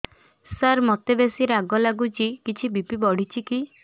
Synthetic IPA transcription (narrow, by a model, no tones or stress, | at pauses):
saɾmɔt̪ebesiɾaɡɔlaɡut͡ʃikit͡ʃʰibipibɔɽ̤it͡ʃʰiki